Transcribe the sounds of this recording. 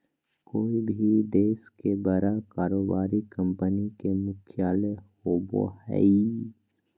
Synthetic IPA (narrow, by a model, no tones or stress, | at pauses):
koːibʱid̪eːskebəɾakaːɾoːbaːɾikə̃mpənikemʊkʰjaːlehoːbo̰hɛ̰i